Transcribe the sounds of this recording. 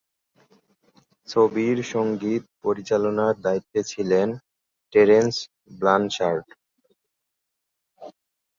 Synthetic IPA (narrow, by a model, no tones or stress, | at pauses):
t͡ɕʰobiɾʃoŋɡit̪̚poɾit͡ɕalonaɾd̪ait̪ːet͡ɕʰilen | ʈeɾens | blanʃaɾɖ